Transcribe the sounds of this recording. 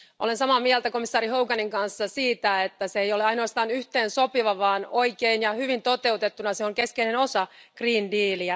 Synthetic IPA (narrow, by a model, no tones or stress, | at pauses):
ʔolensɑmɑːmiælt̪æko̞misːɑːɾiɦowɡɑniŋkɑnsːɑsiːt̪æet̪ːæseejoleɑinoɑst̪ɑːnyht̪eːnsopiʋɑʋɑːno̞ikeinjɑhyʋint̪o̞t̪e̞ut̪et̪ːunɑseoŋke̞skeineno̞sɑɡriːndiːliæ